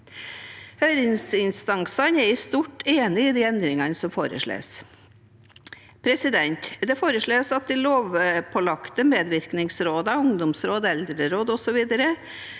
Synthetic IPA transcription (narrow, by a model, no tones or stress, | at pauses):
hœʏɾɪŋsɪnst̪ɑŋsɑnɛɾst̪uʈːeːnɪɪd̪iːɛnd̪ɾɪŋɑnəsɔmfo̰ːɾə̰ʂɭḛːs | pʰɾɛsɪd̪ɛnt̪d̪ɛfoːɾəʂɭøːsɑt̪̚d̪ɪloːʋpʰɔlɑkt̪əmeːd̪ʋɪɾknɪŋsɾoːd̪ɑʊŋd̪ʊmsɾoːd̪ɛld̪ɾəɾoːd̪ɔsɔʋiːd̪əɾə